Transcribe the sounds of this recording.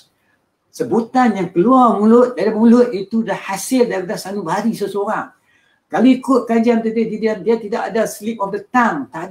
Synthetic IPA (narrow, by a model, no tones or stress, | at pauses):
səbut̪anjaŋkəluarmulʊt̪̚dadimulʊt̪̚it̪udahhasɪldaɾadasanũbəɦaɾisəsoɾaŋ | kaluikʊt̪̚kad͡ʒant̪udɪhdidiandiat̪idaʔa̰daslip̚ɔfdət̪aŋt̪ad